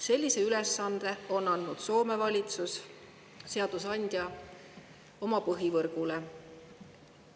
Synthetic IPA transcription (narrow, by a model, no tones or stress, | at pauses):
se̞lʲːise̞ylesːɑnd̪̥e̞o̞nːɑnd̪nud̪̥so̞ːme̞vɑlʲit̪sus | se̞ɑd̪̥usɑnʲd̪̥ʲjɑ | o̞mɑpɤɦivɤrɡ̥ule̞